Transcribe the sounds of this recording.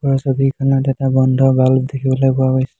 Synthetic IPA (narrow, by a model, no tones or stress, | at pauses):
ɔɹɔsobʱikʰanɔtɛtabɔndʱɔɹbaldekʰibɔlojbɔwapojsɛ